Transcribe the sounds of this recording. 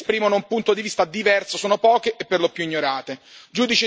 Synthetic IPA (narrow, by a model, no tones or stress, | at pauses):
spɾiːmonoumpunt̪od̪ivist̪ad̪ivɛrsosoːnopɔːkeʔepːerlopjuiɲːoɾaːt̪ed͡ʒuːd̪it͡ʃi